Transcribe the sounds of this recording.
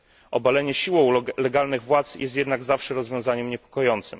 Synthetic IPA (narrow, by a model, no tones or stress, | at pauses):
ɔbalɛɲɛɕiwɔwlɛɡalnɘɣvwat̪sjɛst̪jɛd̪naɡzafʂɛɾɔzvʲjɔ̃w̃zaɲɛmɲɛpɔ̥kɔjɔnt̪sɘm